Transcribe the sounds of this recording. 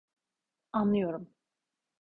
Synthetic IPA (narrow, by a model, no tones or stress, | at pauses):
anlˠɯjo̞ɾum